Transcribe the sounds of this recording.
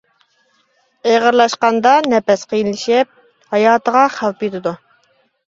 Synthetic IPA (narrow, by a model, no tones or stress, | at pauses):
eʁəɾlˠɑʃqɑnd̪ɑnɛpɛsqʰijnlɪʃɪp̚ | hɑjɑːt̪ʰəʁɑχælˠpjit̪ʰɪd̪u